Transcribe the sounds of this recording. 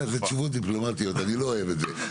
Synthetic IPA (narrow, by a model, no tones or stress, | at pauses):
zet͡ʃuvot̚d̪iplo̞mat̪ijo̞taniloːevetze